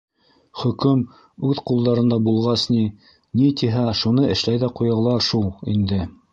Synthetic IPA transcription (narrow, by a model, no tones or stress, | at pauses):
χɵ̆kɵm | ʉðqulˠd̪ɑɾɤ̆nd̪ɑbulˠʁɑsni | nit̪iɦæʃunɤɘ̆ʃlæjðæqujɑ̆lˠɑʃulˠḭnd̪ɘ